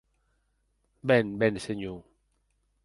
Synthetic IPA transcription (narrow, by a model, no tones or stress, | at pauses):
bɛnbɛnseɲu